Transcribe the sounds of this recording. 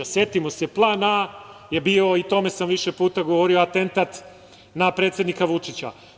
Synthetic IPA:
sje̞t̪imo̞seplˠaːnajebio̞it̪o̞me̞samʋiʃe̞puːt̪aɡo̞ʋo̞ɾioat̪e̞nt̪at̪ | napɾet̪sjed̪nikaʋut͡ʂit͡ɕa̰

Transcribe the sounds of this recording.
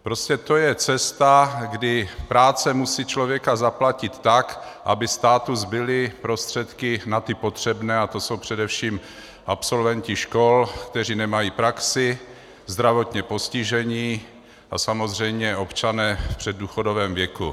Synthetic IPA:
pɾo̞scɛt̪o̞jɛt͡sɛst̪aɡdɪpɾaːt͡sɛmusiːt͡ʃlovjɛkazaplacɪt̪ːakʔa̰bɪst̪aːt̪uzbɪlɪpɾo̞st̪r̝̥ɛt̪kɪnat̪ɪpo̞t̪r̝̥ɛbnɛːat̪o̞so̞wpr̝̥ɛdɛfʃiːm | ʔapso̞lvɛncɪʃko̞lkt̪ɛr̝iːnɛmajiːpɾaksɪ | zd̪ɾavo̞t̪ɲɛpo̞scɪʒɛɲiː | ʔasamo̞zr̝ɛjmɲɛʔo̞pt͡ʃanɛːfpr̝̥ɛd̚ːuːxodovɛːmvjɛku

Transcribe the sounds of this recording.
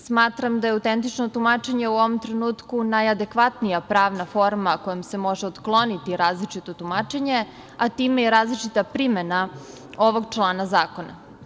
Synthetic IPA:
smaːt̪ɾamd̪ajeaut̪ent̪it͡ʃno̞t̪umat͡ʃeɲe̞uo̞ʋo̞mt̪ɾenuːt̪kunajad̪e̞kʋat̪nijapɾaːʋnafo̞ɾmako̞jomse̞mo̞ʒeot̪klˠo̞nit̪iɾaːzlit͡ʃit̪o̞t̪umat͡ʃeɲe̞ | at̪iːmejeɾaːzlit͡ʃit̪apɾimena | o̞ʋo̞ɡt͡ʃlˠaːnazaːko̞na̰

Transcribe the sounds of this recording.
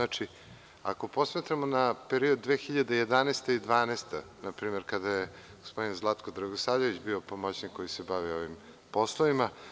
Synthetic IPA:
at͡ʃi | a̰ko̞po̞smat̪ɾamonapeɾiod̪̚ːʋeːxiʎad̪ejed̪aneːst̪eid̪ʋaːneːst̪a | napɾiːmeɾkad̪aje | ɡospo̞d̪inzlˠat̪kod̪ɾaɡosaːvʎeʋit͡ɕbio̞pomot͡ɕnikːo̞jisebaʋio̞ʋim | po̞slˠoima

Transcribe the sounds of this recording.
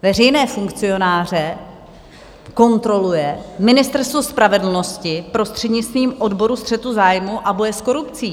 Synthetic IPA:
vɛr̝ɛjnɛːfuŋkt͡sɪo̞naːr̝ɛ | ko̞nt̪ɾo̞lujɛmɪnɪst̪ɛɾst̪vospɾavɛdl̩no̞scɪpɾo̞st̪r̥ɛdɲɪt͡st̪viːmʔo̞dbo̞ɾust̪r̥ɛt̪uzaːjmuʔabo̞jɛsko̞ɾupt͡siː

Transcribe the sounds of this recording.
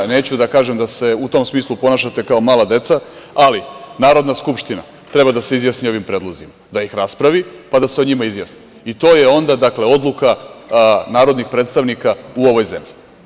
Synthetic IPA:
ne̞ːt͡ɕud̪akaːʒemd̪ase̞ut̪o̞msmiːslˠupo̞naʃat̪e̞kao̞maːlˠad̪e̞t̪sa | alinaːɾo̞d̪naskupʃt̪ina̰ | t̪ɾe̞bad̪ase̞izjasnio̞ʋimpɾe̞ːd̪lˠozimad̪ajixɾaspɾaʋipad̪aseo̞ɲimaizjasni̥ | it̪o̞ːje̞o̞nd̪ad̪akle̞o̞d̪lˠuka | naːɾo̞d̪nixpɾet̪st̪aʋnikauo̞ʋo̞jze̞mʎi

